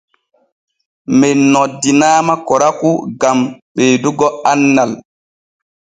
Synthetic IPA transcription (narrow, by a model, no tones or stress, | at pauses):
mɛnːɔdːinaːmakɔɾakuɡamɓeːduɡɔanːal